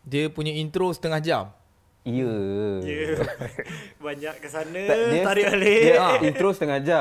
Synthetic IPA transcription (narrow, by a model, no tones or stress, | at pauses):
diəpuɲaint̪ɾosə̥t̪əŋahd͡ʒam | ijə | baɲaʔkəsanə̃diəaɾialeaint̪ɾosət̪əŋahd͡ʒa